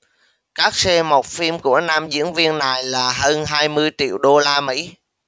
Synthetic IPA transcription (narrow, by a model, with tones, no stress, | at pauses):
kaː˦˥k̚sɛ˧mo˨˩wk͡p̚fi˧mku˧˩ənaː˧mzɨ̰˧˥ənvi˧ənːa˨˩jlaː˨˩həː˧nɦaː˧jmɨ˧əjt͡ɕḭ˧˨əwɗo˧laː˧mḭ˧˥